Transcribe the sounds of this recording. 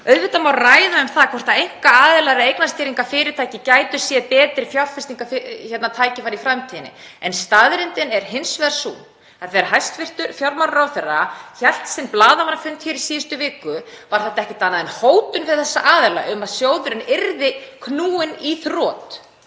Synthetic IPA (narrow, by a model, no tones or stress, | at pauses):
œɥðvɪt̪amawraːjðaʏmθakʰɔr̥t̪aejŋ̥kaaːðɪlaɾaejknast̪ɪːɾiŋkafɪːɾɪɾt̪ʰaːjcɪcaːjt̪ʏ̥sjɛðpɛːt̪ɾɪfjawlfɪst̪iŋkafɪçɛt̪nat̪ʰaːjcɪfaɾifɾamt̪ʰiːnɪ̰ | ɛnst̪aðɾɪnt̪ɪnɛɾ̥ɦɪnsvɛðɾsun | aɾθɛɾɦajst̪fɪr̥t̪ʏɾfjaɾmaɾɾawθɛrːaçɛl̥t̪sɛnplaːðavaɾfʏnt̪çɛɾisiːʏst̪ʏvɪːkʏ | vaɾ̥θɛht̪aɛhcɪt̪aːnaðɪnhoːwt̪ʏnvɪɾ̥θɛsːa̰ʔaːðɛla̰ʔʏmaðsjoːwðʏɾɪnɪɾðɪkʰnuːɪniθrɔːt̪